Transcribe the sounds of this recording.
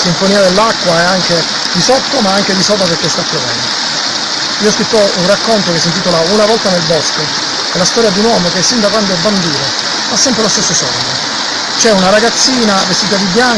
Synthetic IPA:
siɱfoniːad̪elːakːwaɛaŋk̟e | d̪isot̪ːomaaŋk̟ed̪isɔlt̪apeɾkːest̪ap̪ːɾovɛ̰nd̪o | iːoskɾit̪ːounrakːont̪okesːint̪it̪olaunavɔlt̪anelbɔsko | ɛlːast̪ɔːɾjad̪iunwɔːmok̟esːind̪akwand̪oɛbːand̪iːno | fasːɛmpɾelost̪esːosɔ̰ɾd̪e | t͡ʃɛunaɾaɡat̪sːiːnavest̪iːt̪ad̪ibːjaŋ

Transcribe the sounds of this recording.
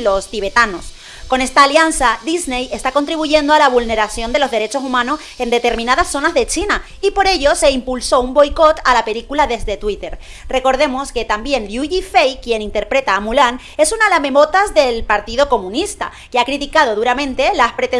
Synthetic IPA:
lo̞st̪iβ̞e̞t̪ano̞s | ko̞ne̞st̪aːljansaðizne̞je̞st̪ako̞nt̪ɾiβuʝe̞nd̪oalaβ̞ulne̞ɾasjo̞nd̪e̞lo̞zðe̞ɾe̞t͡ʃo̞sumãno̞s | e̞nd̪e̞t̪e̞ɾmĩnaðasːo̞nazðe̞t͡ʃina | ipo̞ɾe̞ʝo̞se̞impulso̞umbo̞jko̞t̪alape̞likulaðe̞zðe̞t̪wit̪e̞ɾ | re̞ko̞ɾð̞e̞mo̞ske̞t̪ambje̞nʎjuʝifejkje̞nĩnt̪e̞ɾpɾe̞t̪aːmulan | e̞sunalame̞mo̞t̪azðe̞lpaɾt̪iðo̞ko̞mũnist̪a̰ | keakɾit̪ikað̞o̞ðuɾamẽ̞nt̪e̞laspɾe̞t̪e

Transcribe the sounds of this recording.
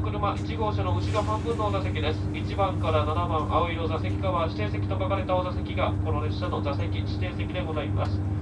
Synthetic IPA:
kɯ̟ɾɯ̟maʔit͡ɕiɡo̞ːɕano̞ɯ̟t͡ɕiɡaɦãmbɯ̟̃nːo̞ozase̞kʲid̪e̞sɨ̥it͡ɕibãŋkaɾananamãɰʔaoiɾo̞zase̞kʲi̥kaβaɕi̥t̪e̞ːse̞kʲi̥t̪okakaɾe̞t̪ao̞zase̞kʲiɡako̞ɾoɾeɕano̞zase̞kʲiɕi̥t̪e̞ːse̞kʲid̪e̞ɡo̞zaima̰sɨ̥

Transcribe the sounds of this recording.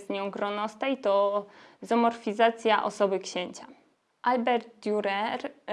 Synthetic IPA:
zɲɔ̃w̃ɡɾɔnɔst̪ɛit̪ɔzɔmɔɾfʲizat̪sʲjaʔɔ̰sɔbɘkɕeɲt͡ɕa | ʔalbɛɾd̪̚d̪ʲjuɾɛɾ

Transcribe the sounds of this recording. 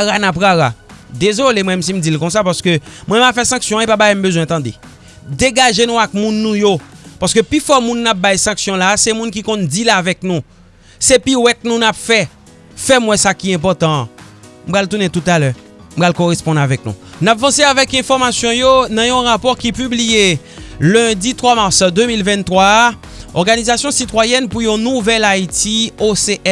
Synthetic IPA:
aɣanap̬ɣaɣad̪ezolemwɛmɛms̬im̩d͡zilkɔ̃s̬apaʁsə̥kømwɛ̃mɛmapfɛsɑ̃ksjɔ̃epabajɛm̩bøzwɛ̃t̪ɑ̃d̪e | d̪eɡaʒenũak̚mũnːũjopaʁsə̥køplyfɔmũnːap̚bajsɑ̃ksjɔ̃lasemũnk̬ikɔ̃nd͡zilaːvɛk̚nũ | sepiwɛt̪̚nũnapfɛ | fɛmwɛ̃sakiɛ̃p̬ɔʁt̪ɑ̃m̩palt̪unẽt̪ut̪alœ | m̩pʁalkoʁespɔ̃navɛk̚nṵ̃napvɑ̃seavɛkɛ̃fɔʁmasjɔ̃jonɑ̃jɔ̃ʁapɔʁkipyblijelɛ̃dit̪ʁwamaʁsd̪ømilvɛ̃nt̪χʁwa | ɔʁɡanizasjɔ̃sit̪wajɛnpujɔ̃nũvɛlait̪ioseʔɛ

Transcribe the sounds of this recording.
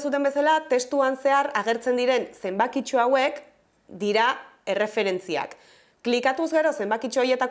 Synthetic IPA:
sut̪e̞mbe̞salat̪e̞st̪uanse̞aɾaɣ̞e̞ɾt͡se̞nd̪iɾe̞nse̞mbakit͡ʃuawe̞k | d̪iɾae̞re̞fe̞ɾe̞nt͡sia̰kː | likat̪uzɣe̞ɾo̞se̞mbakit͡ʃoːje̞t̪ak

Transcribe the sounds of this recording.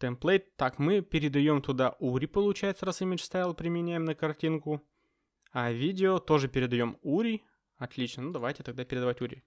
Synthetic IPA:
t̪ɛmplˠejt̪ːakmɨpʲɪɾʲɪd̪ɐjo̞mt̪ʊd̪aʔuɾʲɪpəlˠʊt͡ɕæjɪt̪səɾɐsɨmʲɪt͡ʃst̪ajlˠpɾʲɪmʲɪnʲæjɪmnəkɐrtʲinkʊ | ɐvʲidʲɪot̪o̞ʐɨpʲɪɾʲɪd̪ɐjo̞muɾʲɪ | ɐt̪lʲit͡ɕnənud̪ɐvajtʲɪt̪ɐɡ̚d̪apʲɪɾʲɪd̪ɐvatʲuɾʲɪ

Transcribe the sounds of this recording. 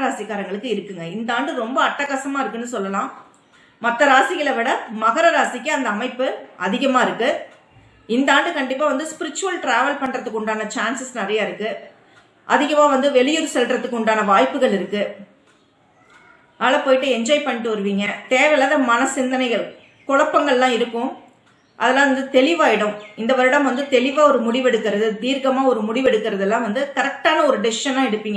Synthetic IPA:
ɾaːsɪkːaːɾɐŋɡɐɭɯkːɯɪɾɯkːɯŋɡɐɪnd̪aːɳɖɯɾɔmbɐːʈːɐkːɐsɐmaːɪɾɯkːɯnːɯsɔlːɐlãː | mɐt̪ːɐɾaːsɪɣɐɭɐʋɪɽɐmɐɣɐɾɐɾaːsɪkːɯɐnd̪ɐːmɐɪpːɯʔɐðɪɣɐmaːɪɾɯkːɯ | ɪnd̪ɐaːɳɖɯkɐɳɖɪpːaːʋɐnd̪ɯspɪɾɪt͡ʃːʊʋɐlʈɾaːʋɐlpɐɳːɾɐt̪ːɯkːʊɳɖaːnɐt͡ʃaːnsɯsnɪɾɐjaɪɾɯkːɯ | ʔɐðɪɣɐmãːʋɐnd̪ɯʋɛɭɪjʊɾsɛlʈɾɐt̪ːɯkːʊɳɖaːnɐʋaːjpːɯɣɐɭɪɾɯkːɯ | ɐːɭɐpoːjɪʈːɯɛɲd͡ʒɔːjpɐɳːɪʈːɯʋɐɾɯʋiːŋɡɐt̪eːʋɐjlaːðɐmɐnɐsɪnd̪ɐnɐɪɣɐɭ | kɔɻɐpːɐŋɡɐɭlãːɪɾɯkːʊ̃ | ʔɐðɛlːãːʋɐnd̪ɯt̪ɛɭɪʋaːjɪɽɯ̃mɪnd̪ɐʋɐɾɯɽɐmʋɐnd̪ɯt̪ɛɭɪʋaːɔɾɯmʊɽɪʋɛɽɯkːɪɾɐðɯd̪iːɾɡɐmaːɔɾɯmʊɽɪʋɛɽɯkːɪɾɐðɛlːãːʋɐnd̪ɯkɐɾɐk̚ʈaːnɐɔɾɯɖɪsɪʃɐnãːɛɽɯpːiːŋɡɐ

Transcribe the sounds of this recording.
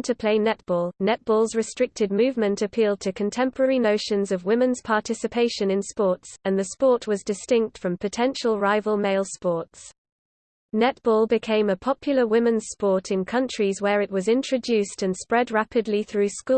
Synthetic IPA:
tʰəpʰl̥eɪnɛt̚b̥ɔːlˠnɛt̚b̥ɔːlˠzɹɪstɹ̥ɪk̚tɪd̚mʉːvmə̃ntəpʰiːlˠd̚tʰəkʰə̃ntʰɛ̃mpʰəɹɛɹinəʊʃə̃nzəvwɪ̃mɪ̃nz̥pʰɑˑtʰɪsɪpʰeɪʃə̃nɪ̃nspɔˑtsə̃nðəspɔˑʔwɒzdɪstɪ̃ŋk̚tfɹə̃mpʰətʰɛ̃nʃəlˠɹaɪvəlˠmeɪlˠspɔˑts | nɛtb̥ɔːlˠbɪkʰẽɪ̃məpʰɒpʰjl̩ˠəwɪmɪ̃nz̥spɔˑtʰɪ̃nkʰʌ̃nt͡ʃɹ̥izwəɹɪʔwɒzɪ̃nt͡ʃɹ̥əd͡ʒʉˑstə̃nspɹɛdɹapʰɪdˡliθɹʉːsku

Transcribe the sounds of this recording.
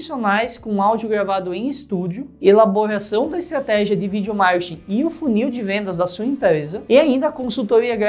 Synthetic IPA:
sionajskõawd͡ʒiʊɡɾavad̪ʊẽj̃ɪst̪ud͡ʒjʊelaboɾasɐ̃w̃d̪ɐɪst̪ɾat̪ɛʒiɐd̪ɪvid͡ʒjomaɾʃĩɪʊfuniwd͡ʒɪvẽnd̪ɐzd̪ɐsuɐẽmpɾezɐɪaĩnd̪ɐːkõsuwt̪oɾiɐɡɾ

